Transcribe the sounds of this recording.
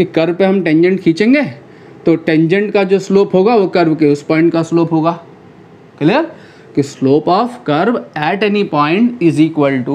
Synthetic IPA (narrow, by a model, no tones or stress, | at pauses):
kikɐɾbpeɦɐmʈẽːɲd͡ʒə̃ɳʈkʰiːt͡ʃẽːŋɡeː | t̪oʈẽɲd͡ʒə̃ɳʈkad͡ʒoːsloːpɦoːɡaʋokɐɾbkeʊspɔ̃ːɪ̃ɳʈkasloːpɦoːɡaː | kɐle | kisloːpaːfkɐɾbɛːʈɛnipãːɪ̃ɳʈɪziːkʋəlʈu